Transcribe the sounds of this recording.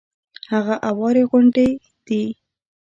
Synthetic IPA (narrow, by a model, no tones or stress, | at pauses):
haɣaʔawɑɾeɣʊɳɖe | d̪̥i